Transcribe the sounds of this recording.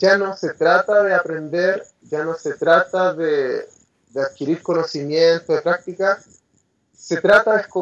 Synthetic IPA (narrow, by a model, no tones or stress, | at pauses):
ʝano̞set̪ɾat̪aðeapɾe̞nd̪eɾ | ʝano̞set̪ɾat̪aðe | ðeaðkiɾiɾko̞no̞simjent̪oðepɾak̚t̪ikas | se̞t̪ɾat̪aðehko